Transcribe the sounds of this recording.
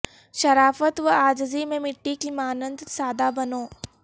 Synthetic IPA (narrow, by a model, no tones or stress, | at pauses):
ʃɐɾaːfət̪ʋɐaːd͡ʒzimẽmɪʈːikimaːnə̃nd̪saːd̪abɐnoː